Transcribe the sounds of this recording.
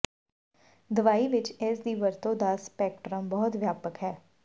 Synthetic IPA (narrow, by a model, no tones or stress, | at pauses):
d̪əʋaːiːʋɪt͡ʃɪsd̪iːʋəɾt̪õːd̪əsːpɛːk̚ʈɾəmbɔːʊt̪ʋjaːpəkɦɛː